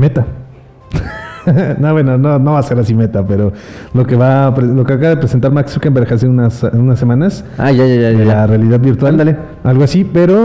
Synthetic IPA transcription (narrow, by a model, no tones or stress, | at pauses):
me̞t̪a | noβwenonono̞βase̞ɾasime̞t̪ape̞ɾo̞ | lo̞keβapɾelo̞keakaβað̞e̞pɾese̞nt̪aɾmaksfekembeɾexaseunasunasːe̞mãnas | aʝaʝajaelarealiðaðβiɾt̪wald̪ale | alɣoasipe̞ɾo̞